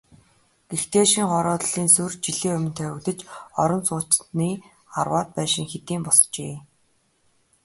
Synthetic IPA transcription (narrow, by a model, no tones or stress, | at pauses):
ɡ̥ext̪eːʃiŋχɔɾɔːt̪ɮiːnsɵrt͡ɕiɮiːɵmʲɪ̆n̥t̪ʰœwɪ̆kt̪ə̆t͡ɕɔɾɞ̆nt͡sʊːt͡ɕniː | a̰rwaːt̪̚pæːʃɪ̆ŋxet̪iːmpɔst͡ɕḛː